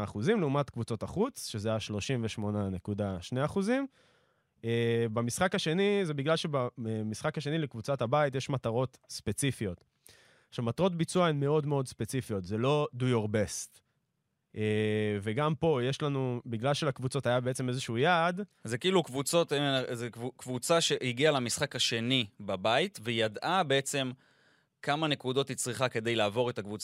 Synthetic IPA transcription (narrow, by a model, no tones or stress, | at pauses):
χuzimleumat̪kvut͡so̞taχut͡sʃe̞zeajaʃlo̞ʃimveʃmo̞nane̞kudaʃneaχuzim | ebemisχakaʃe̞nizebiɡlalʃe̞bamisχakhaʃe̞nilekvut͡satabaitje̞ʃmataʁo̞t̪spe̞t͡sifio̞t | aχʃavmat̪aʁo̞t̪̬bit͡suaenme̞o̞dme̞o̞dspet͡sifio̞tzelo̞dujoʁbest̪ | ʔeve̞ɡampo̞je̞ʃlanubiɡlalʃelakvut͡so̞tajabeet͡se̞me̞zeʃuujaːd̪zekiːlukvut͡so̞t̪ezekukvut͡saʃeiɡialamisχakaʃe̞nibabait̪vejadʔabeet͡se̞m | kamane̞kud̪o̞tit͡sʁiχake̞d̪e̞jlaːvo̞ʁetakvut͡sa